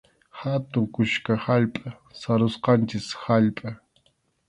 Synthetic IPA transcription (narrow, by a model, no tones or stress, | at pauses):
hat̪ʊŋkʊʃkahaʎpʼa | saɾʊsqɑnt͡ʃɪshaʎpʼa